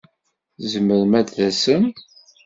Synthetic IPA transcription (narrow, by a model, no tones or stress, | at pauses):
zəmːəɾmæd̪ðæsəm